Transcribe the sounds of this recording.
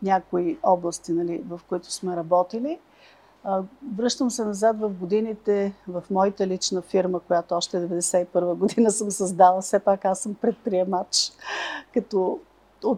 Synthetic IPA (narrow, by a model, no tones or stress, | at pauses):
nʲakʊiɔblˠəst̪inɐlivɐfkoit̪ʊ̥smɛɾɐbɔt̪ili | vɾɤʃt̪əmsɛnɐzat̪vɐfɡod̪init̪ɛvɐfmɔit̪əlit͡ʃnəfiɾməkojat̪oɔʃt̪ɛd̪ɛvɛd̪ɛsɛipɤɾvəɡod̪inəsəmsɐzd̪avəfsɛpakasəmpɾɛt̪̚pɾiɛmat͡ʃ | kɐt̪ɔ | o